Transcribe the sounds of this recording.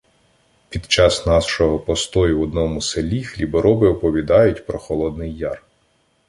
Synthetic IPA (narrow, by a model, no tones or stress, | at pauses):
pʲid̪t͡ʃɑsnɑsʃɔɦɔpɔst̪ɔjʊwɔd̪nɔmʊselʲixlʲibɔɾʔɔbɪɔpɔʋʲid̪ɑjʊtʲpɾɔxɔlˠɔd̪nɪjːɑr